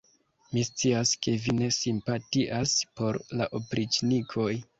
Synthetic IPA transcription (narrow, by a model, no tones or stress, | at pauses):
mist͡siaske̞vine̞simpatiʔaspo̞ɾlaʔopɾit͡ʃnikʰo̞j